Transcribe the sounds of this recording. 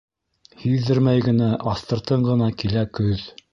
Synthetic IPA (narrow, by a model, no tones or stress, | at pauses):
hiðdɘɾmæjɡɘ̆næʔɑst̪ɤ̆ɾt̪ɤɴɢɤ̆nɑkilækɵð